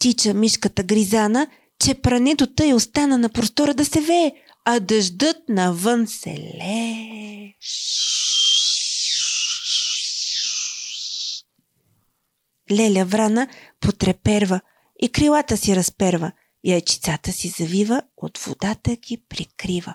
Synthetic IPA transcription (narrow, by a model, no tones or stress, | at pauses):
t̪it͡ʃəmiʃkət̪əɡɾizanə | t͡ʃɛpɾɐnɛt̪ot̪əɛost̪anənɐpɾost̪ɔɾəd̪ɐsɛvɛː | ɐd̪ɐʒd̪ɤt̪̚nɐvɤnsɛ̰lɛ | ʃ | lʲɛlʲɐvɾanəpot̪ɾɛpɛɾvə | ikɾilˠat̪əsiɾɐspɛɾvə | iɐjt͡ʃi̥t̪sat̪əsizɐvivə | o̰t̪v̥o̰d̪at̪əɡʲipɾikɾivə